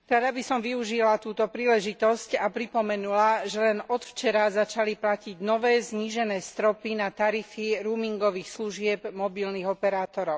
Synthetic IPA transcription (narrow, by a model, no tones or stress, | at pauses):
ɾad̪abisɔmʋiuʒilat̪uːt̪ɔpɾiːlɛʒit̪ɔscapɾipɔmɛnulaʒɛlɛnɔt̪ft͡ʃɛɾazat͡ʃaliplaciɟnɔʋɛːzɲiːʒɛnɛːst̪ɾɔpinat̪aɾifiɾuːmiŋɡɔʋiːxsluʒɪɛbmɔbilniːɣɔpɛɾaːt̪ɔɾɔʊ